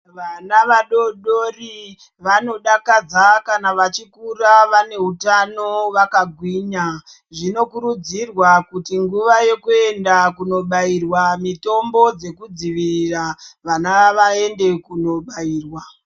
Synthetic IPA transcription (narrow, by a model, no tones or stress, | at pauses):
ʋanaʋaɗo̞ɗori | ʋano̞ɗakad͡zakanaʋat͡ʃikuraʋane̞ɦutano̞ʋakaɡʱwiːɲa | ʐino̞kuɾud͡zirwakutiŋɡuʋaje̞kue̞ndakuno̞ɓairwamito̞mbo̞d͡ze̞kud͡ziʋiriraʋanaʋae̞nde̞kuno̞ɓaiːrwa